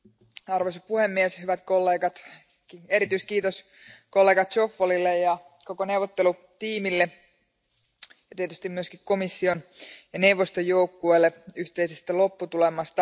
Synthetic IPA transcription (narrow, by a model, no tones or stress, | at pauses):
ɑrʋosɑpuhemːieshyʋæt̪ko̞lːeːɡɑt̪ | kie̞ɾit̪yiskiːt̪os | ko̞lːe̞ːɡɑt̪t͡ʃofːolilːejjɑ | ko̞kone̞uʋot̪ːelu | t̪iːmilːe | jɑt̪iet̪yst̪imyøskikko̞misːionjɑne̞uʋːost̪ojːo̞ukːuelːeyht̪e̞isest̪ælo̞pːut̪ulemɑst̪ɑ